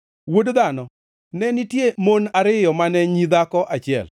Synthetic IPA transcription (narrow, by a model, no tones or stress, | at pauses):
wodd̪anɔ | nɛnitjemonaɾɪjɔmanɛɲid̪akɔʔat͡ʃɪɛ̰l